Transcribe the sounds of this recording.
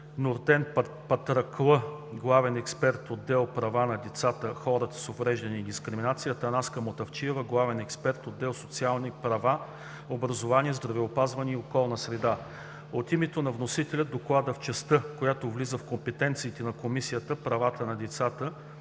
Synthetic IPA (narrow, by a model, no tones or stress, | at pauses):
nʊɾd̪ɛnp | pɐt̪ɾɐklˠə | ɡlˠavɛnɛkspɛɾt̪od̪ːɛlˠpɾɐvanɐd̪ɛt̪sat̪əxɔɾət̪ə̥sovɾɛʒd̪ɐniːd̪iskɾiminat̪sijət̪əːnaskəmot̪ɐft͡ʃiɛvəɡlˠavɛnɛkspɛɾt̪od̪ːɛlˠsot̪sialˠnipɾɐva | obɾɐzovaniɛzd̪ɾɐvɛopazvɐniːokɔlˠnəsɾɛd̪a | ot̪imɛt̪onɐvnosit̪ɛlʲɐd̪oklˠad̪əft͡ʃɛst̪ɤkojat̪ovlizəfkompɛt̪ɛnt̪siːt̪ɛnɐkomisijət̪əpɾɐvat̪ənɐd̪ɛt̪sat̪ə